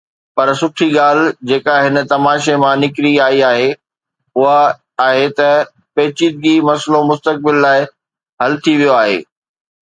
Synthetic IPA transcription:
pɐɾsʊʈʰiɡaːl̤d͡ʑeːkaɦɪnə̆t̪ɐmaːʃemãnɪkɾiaːiaːɦe | ʊɦaː | ɦet̪ɐ | peːt͡ɕiːd̪̚ɡimɐslomʊst̪ək̚bɪlːaːɪ | ɦɐlt̪ʰiʋijoaːɦḛː

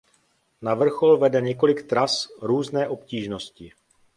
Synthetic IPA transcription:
navr̩xo̞lvɛdɛɲɛko̞lɪkt̪ɾasɾuːznɛːʔo̞pciːʒno̞scɪ

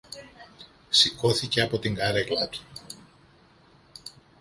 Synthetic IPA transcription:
siko̞θice̞ɐpo̞t̪iŋɡɐɾeklɐt̪u̥

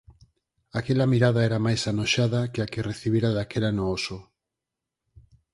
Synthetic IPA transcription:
akelamiɾaðaeɾamajsanoʃaðakeakereθiβ̞iɾaðakelanooso

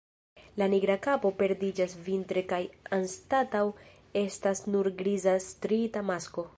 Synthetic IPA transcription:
laniɡɾakapo̞pe̞ɾdid͡ʒasvintɾe̞kajanstataw | e̞stasnuɾɡɾizastɾitamasko̞

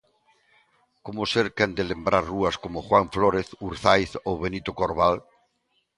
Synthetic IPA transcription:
komoseɾkɛnd̪elembɾaɾruaskomoxwaɱfloɾeθuɾθajθowβenit̪okoɾβal

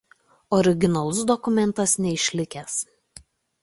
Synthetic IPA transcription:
ɔɾʲɪɡʲɪnɐlˠʊs̬d̪ɔkʊmʲɛnˑt̪ɐsnʲɛɪʃʲlʲɪkʲɛs

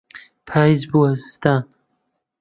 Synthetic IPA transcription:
pʰaːjzbuɐz̥st̪an

